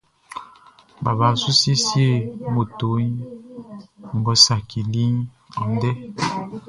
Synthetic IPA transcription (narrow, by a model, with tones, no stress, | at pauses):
ba˨ba˨˦su˦si˦sje˦˨mo˨to˨˦ɲ˦ | m̩˨bɔ˦sa˨ki˨li˦ɲ˦ | ɔ˨n˦dɛ˦